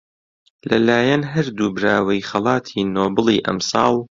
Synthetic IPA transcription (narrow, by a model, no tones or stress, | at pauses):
lɐlaːjɐnɦɐɾd̪uːbɾaːwɐjχɐlˠɑːt̪ʰiːnoːbɨlˠiːʔɐ̰msɑːlˠ